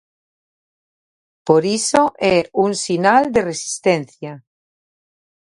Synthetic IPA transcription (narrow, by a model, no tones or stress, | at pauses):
poɾisoʔeuŋsinald̪eresi̥st̪ẽnθja